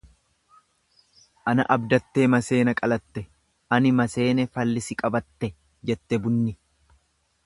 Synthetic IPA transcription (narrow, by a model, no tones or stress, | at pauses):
ʔɐnɐʔɐbd̪ɐt̪ːe̞ːmɐse̞ːnɐkʼɐlɐt̪ːɛ | ʔɐnɪmɐse̞ːnɛfɐlːɪsɪkʼɐbɐt̪ːɛ | d͡ʒɛt̪ːɛbʊnːɪ